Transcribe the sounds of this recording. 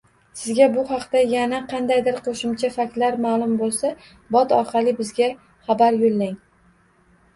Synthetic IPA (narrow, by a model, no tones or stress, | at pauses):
sɪzɡʲabʊχɑqt̪ajanaqʰɑnd̪ajd̪ɪɾqʰoʃɪmt͡ʃʰafakʲt̪laɾmaːlˠʊmbolˠsa | bɒt̪ɒɾqʰɑlɪbɪzɡʲa | χɑbaɾjolːaŋ